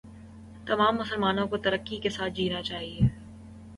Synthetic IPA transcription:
t̪ɐmaːmːʊsəlmaːnõkot̪ɐɾəkːikesaːt̪̚d͡ʒiːnat͡ʃaːɦieː

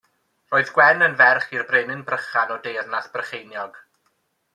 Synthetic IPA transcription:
roːɨðɡ̥wɛnənvɛrχirbrenɪnbrəχanɔdejrnaθb̥rəχejnjɔɡ̥

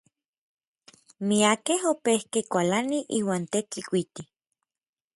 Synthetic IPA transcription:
miakehopehkekʷalaniʔiːwaːnt̪et͡ɬikʷit̪i

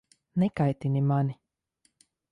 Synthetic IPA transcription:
nekajt̪inʲimani

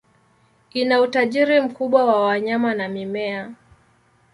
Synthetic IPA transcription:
inautaʄiɾim̩kuɓwawawaɲamanamimɛa

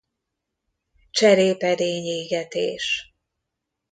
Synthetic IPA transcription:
t͡ʃɛɾeːpɛd̪eːɲeːɡɛt̪ḛːʃ

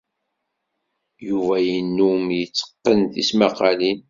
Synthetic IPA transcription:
juvæjənːumjət͡sːə̥qːənθismɑqɑlin

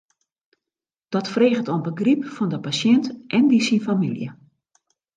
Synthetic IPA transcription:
d̥ɔtfreːɣətonbəɡripfɔndəpasjɛntʔɛndisinfamiljə̰

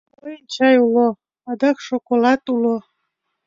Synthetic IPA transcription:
ojənʲt͡ɕɑjulo | ɑd̪ɑkʃokolɑt̪ulo

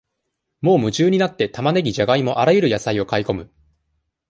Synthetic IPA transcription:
mo̞ːmɯ̟ʑɨːɲ̟inat̪ːe̞t̪amane̞ɡʲiʑaɡaimo̞ʔaɾajɯ̟ɾɯ̟jasaio̞kaiko̞mɯ̟

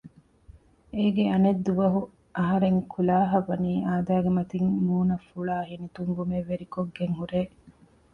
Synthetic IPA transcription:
eːɡeɐned̪ːuʋɐɦu | ʔɐɦɐɾeŋkʰulaːɦɐʋɐniːʔaːd̪aːɡemɐt̪iŋmuːnɐfːuɭaːɦinit̪uŋɡumeʋeɾikoɡːeŋhuɾeː

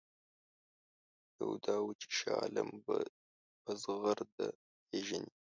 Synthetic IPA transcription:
d̥ɐwdaːwt͡ʃʰʼi̥ʃaːlɐmbɐ | bɐzɨʁɐrdɐ | eːʒɪni

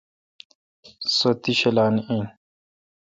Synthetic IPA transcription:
sot̪iɕelaːnin

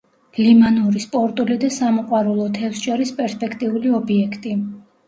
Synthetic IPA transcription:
limanɔɾispʼɔɾt̪ʼulid̪asamɔqʼwaɾulˠɔt̪ʰɛfsʃɔɾispʼɛɾspʼɛkʰt̪ʼiuliɔbiɛkʰt̪ʼi

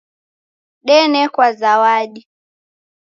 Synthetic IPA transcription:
ɗɛnɛkwazawaɗi

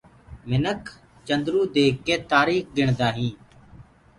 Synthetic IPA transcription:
mɪnəkʰ | t͡ʃənd̪ɾuːd̪eːkːeːt̪aːɾiːxɡɪɳ̃d̪aːɦĩː

